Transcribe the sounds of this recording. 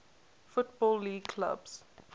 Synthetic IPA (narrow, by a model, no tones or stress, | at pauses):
fʊtbɔːlːiːɡkʰla̰bs